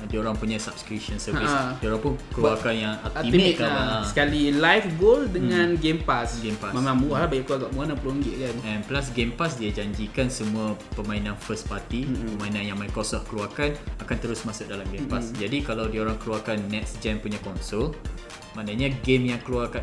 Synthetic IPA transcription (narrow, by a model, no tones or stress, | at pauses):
dioɾaŋpuɲasap̚skɾip̚ʃɔnsəsdioɾaŋpʊnkəluakanjaŋat̪imkaasə̥kalilajfɡoldəŋãnɡempasɡempamamãmuahlahbaɡiʔkəluaɡaʔmuanapəluŋɡɪʔkanɛnplas̬ɡempasdiad͡ʒaɲd͡ʒikansəmũapəmãinãnfəs̚pat̪ipəmãinãnjãŋmajkosɔhkəluakanakant̪əɾʊsmasʊk̚dalamɡempasd͡ʒadikalawdioɾaŋkəluakanːɛt̚sd͡ʒɛmpuɲakɔnsol | manaɲaɡemjaŋkəluaka